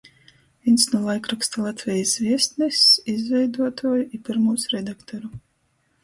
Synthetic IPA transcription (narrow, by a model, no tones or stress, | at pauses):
vʲinsnulˠajkɾukst̪alˠat̪vʲɛjasvʲiɛst̪nɛsizvʲɛjd̪uɔt̪ʰuɔjuʔipʲiɾmuːsɾɛd̪akt̪ɔɾu